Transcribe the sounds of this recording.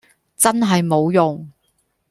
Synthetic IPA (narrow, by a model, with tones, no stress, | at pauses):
t͡sɐ˥nɦɐ˨jmo˨˧wjʊ˨ŋ